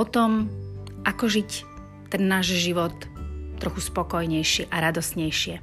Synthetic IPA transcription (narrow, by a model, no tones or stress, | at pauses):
ɔt̪ɔmʔakɔʒic | t̪ɛnːaːʒʒiʋɔt̪ːɾɔxuspɔkɔjɲɛjʃiʔaɾad̪ɔsɲɛjʃɪɛ